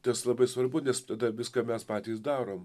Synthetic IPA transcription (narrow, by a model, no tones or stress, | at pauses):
t̪ɐslˠɐbɐɪsʋɐrbʊnʲɛst̪ɐd̪ɐʋʲɪskɐːmʲɛspɑːt̪ʲiːs̬d̪ɑːɾoːm